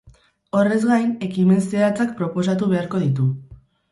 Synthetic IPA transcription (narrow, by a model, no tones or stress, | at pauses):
o̞re̞zɡajne̞kime̞nseat͡sak̚pɾo̞po̞sat̪uβe̞aɾko̞ðit̪̬u